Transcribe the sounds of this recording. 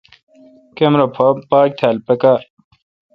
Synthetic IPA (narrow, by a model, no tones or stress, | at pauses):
kemɾopʰpaːk̚t̪ʰaːlpekaː